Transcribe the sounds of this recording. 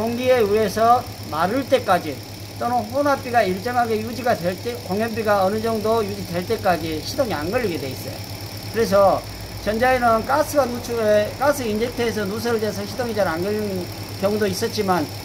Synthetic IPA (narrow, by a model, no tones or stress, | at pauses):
koŋɡieuesʰʌ | maɾɯɭt͈e̞k͈ad͡ʑi | t͈onɯnɸonap͈iɡaiɭt͡ɕ͈ʌŋɦaɡe̞jud͡ʑiɡadweɭt͈ekoŋjʌnbiɡaʌnɯd͡ʑʌŋdojud͡ʑidwe̞ɭt͈e̞k͈ad͡ʑiɕʰidoŋia̰nɡʌʎːiɡe̞dwe̞is͈ʌ̰jo̰ | kɯɾe̞s̬ʰʌ | t͡ɕʌnd͡ʑaenɯnk͈asʰɯɡanut͡ɕʰuek͈asʰɯind͡ʑek̚tʰeːs̬ʰʌnus̬ʰʌɾɯɭtes̬ʰʌɕʰidoŋid͡ʑaɾanɡʌɭːin | kjʌŋudois͈ʌt̚t͡ɕ͈iman